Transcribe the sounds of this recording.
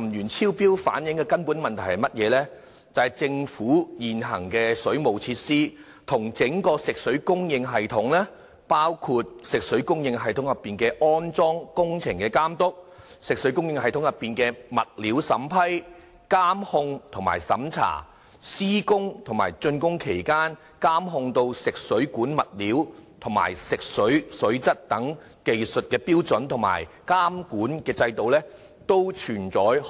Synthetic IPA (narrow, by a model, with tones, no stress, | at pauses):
mjyː˨˩nt͡sʰiː˥wpiː˥wfa̰ː˨˥njɪ˨˥ŋkɛː˧kɐ˥npuː˨˥nmɐ˨nt̪ʰɐ˨˩jhɐ˨jmɐ˥t̚jɛː˨˧lɛː˥ | t͡sɐ˨˧hɐ˨˩jt͡sɪ˧ŋfuː˨˥jiː˨nɦɐ˨˩ŋkɛː˧sɵ˨˥ɥmo˨˩wt͡sʰiː˧t̚siː˥ | t̪ʰʊ˨˩ŋt͡sɪ˨˥ŋkɔː˧sɪ˨k̚sɵ˨˥ɥkʊ˥ŋjɪ˧ŋɦɐ˨jt̪ʰʊ˨˥ŋlɛː˥ | paː˥wkʰuː˧t̚sɪ˨k̚sɵ˨˥ɥkʊ˥ŋjɪ˧ŋɦɐ˨jt̪ʰʊ˨˥ŋjɐ˨˩pːiː˨nkɛː˧ʔɔː˥nt͡sɔː˥ŋkʊ˥ŋt͡sʰɪ˨˩ŋkɛː˧kaː˥mt̪ʊ˥k̚ | sɪ˨k̚sɵ˨˥ɥkʊ˥ŋjɪ˧ŋhɐ˨jt̪ʰʊ˨˥ŋjɐ˨pːiː˨nkɛː˧mɐ˨t̚liː˨˥wsɐ˨˥mpʰɐ˥j | kaː˥mhʊ˧ŋt̪ʰʊ˨˩ma̰ː˨˩jsɐ̰˨˥mt͡sʰa̰ː˨˩ | siː˥kʊ˥ŋt̪ʰŋma̰ː˨˩jt͡sɵ˧nkʊ˥ŋkʰe˨˩jkaː˥n | kaː˥mɦʊ˧ŋt̪o˧wsɪ˨k̚sɵ˨˥ɥkuː˨˥nmɐ˨t̚liː˨˥wt̪ʰʊ˨˩ŋma̰ː˨˩jsɪ˨k̚sɵ˨˥ɥsɵ˨˥ɥt͡sɐ˥t̚t̪ɐ˨˥ŋ | ke˨jsɵ˨t̚kɛː˧piː˥wt͡sɵ˨˥nt̪ʰʊ˨˩ŋma̰ː˨˩jkaː˥mkuː˨˥nkɛː˧t͡sɐ˧jt̪o˨wlɛː˥ | t̪o˥wt͡ʃʰyː˨˩nt͡sɔː˨˥j